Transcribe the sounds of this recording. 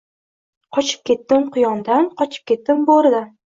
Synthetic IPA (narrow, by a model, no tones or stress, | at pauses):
qʰɒt͡ʃʰɪ̥p̚kʲe̞t̪ːɪmqʰʊjɒnd̪anqɒt͡ʃʰɪ̥p̚kʲe̞t̪ːɪmboɾd̪a